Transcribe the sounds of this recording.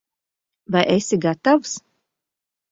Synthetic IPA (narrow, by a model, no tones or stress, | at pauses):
vajʔesʲiɡat̪avs